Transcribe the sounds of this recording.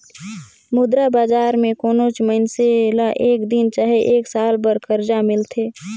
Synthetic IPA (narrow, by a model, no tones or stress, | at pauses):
mʊd̪ɾabaːd͡ʒaːɾmẽkoːnot͡ʃmənselaʔeːkd̪ɪnt͡ʃaːɦeʔeːksaːlbəɾkəɾd͡ʒamɪlt̪ʰeː